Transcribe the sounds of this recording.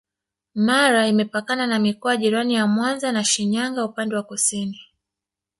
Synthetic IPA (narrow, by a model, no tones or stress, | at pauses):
maɾaimɛpakananamikɔaʄiɾanijamwanzanaʃiɲaŋɡaupandɛwakɔsini